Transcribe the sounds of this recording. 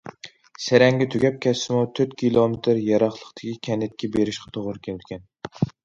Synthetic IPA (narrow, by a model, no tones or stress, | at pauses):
sæɾɛŋɡʲɛt̪ʰyɡʲɛp̚kʲʰɛsːɪmʊt̪ʰøɾt̪kʲʰilˠomet̪ʰɾjɑɾɑχlˠə̥qt̪ʰɪ̥kʲikʲʰɛnːɪt̪̚kʲɛbeɾɪʃqʰɑ̥t̪ʰoʁʊɾɨkʲʰenɪd̪ɪkʲɛn